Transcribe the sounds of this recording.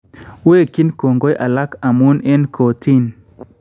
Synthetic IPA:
we˦˨ki˦nko˨ŋɡo˦jʔa˨la˦ka˨mu˦nɛ˦nkʰo˨t̪ʰi˦n

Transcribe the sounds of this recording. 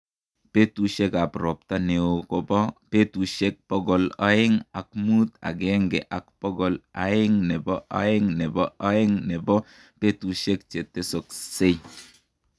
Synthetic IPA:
pe˦tu˨ʃe˦ka˨pɾɔ˨p̚ta˦ne˨o˨ko˦bɔ˦pe˦tu˨ʃe˦k̚pɔ˦ɡɔ˨la̰˦e˦ŋa̰˨k̚mu˦ta̰˨kɛ˦ŋɡɛ˨ʔa˨k̚pɔ˦ɡɔ˨la̰˨˦ɪ˦ŋnɛ˨bɔ˦ʔa̰˦e˦ŋnɛ˨bɔ˦ʔa˦e˦ŋne˨bɔ˦ | pe˦tu˨ʃe˦k̚t͡ʃe˨tːe˦so˨kse˦j

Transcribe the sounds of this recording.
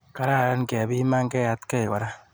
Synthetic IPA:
ka˦ɾa˦˨ɾa˦n˨kɛ˨bi˦ma˦ŋ˦kɛ˦ja˦tkɛ˦i˨ka˨ɾa˦

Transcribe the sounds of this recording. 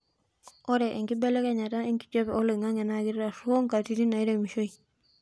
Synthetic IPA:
ɔ˦ɾe˨ʔe˨ŋki˦be˦le˦ka˦ɲa˨ta˦e˦ŋki̥˦t͡ʃo˦pe˨o˦le˨ŋa˦ŋe˨naɡi˦ɾɾa˨su˦o˦ŋka˨ti˦ɾi˦na˨i˦ɾe˨mi˨ʃo˦i˨

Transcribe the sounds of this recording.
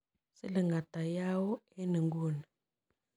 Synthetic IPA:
si˦lə˨ŋɡa˨ta˨ja˦wo˦e˦nə˨ŋɡu˦˨ni˨

